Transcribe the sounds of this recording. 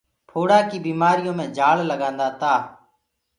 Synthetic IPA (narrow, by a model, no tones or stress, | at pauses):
pʰoːɽaːkiːbiːmaːɾɪjõːmẽːd͡ʒaːlləɡãːnd̪aːt̪aː